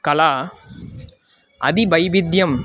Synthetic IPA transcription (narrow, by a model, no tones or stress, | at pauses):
kɐlaː | ʔɐðibɐjʋɪd̪jɐm